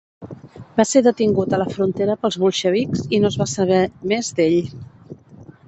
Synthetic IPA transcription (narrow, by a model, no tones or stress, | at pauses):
baseɾðət̪iŋɡut̪ələfɾunt̪eɾəpəlˠzβulˠʃəβiksinozβasəβɛmezd̪eʎ